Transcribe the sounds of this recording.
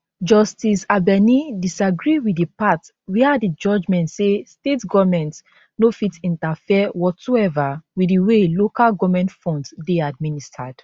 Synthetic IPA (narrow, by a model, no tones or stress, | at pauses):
d͡ʒɔstisabɛnidisaɡɹiwiipat | wiadid͡ʒɔd͡ʒmɛ̃ntsestetɡɔvmɛ̃nts | nofitĩntafiɛwɔtsoɛvawidiwelokalɡɔvmɛ̃ntfɔ̃ndsdead̚ministʰad̥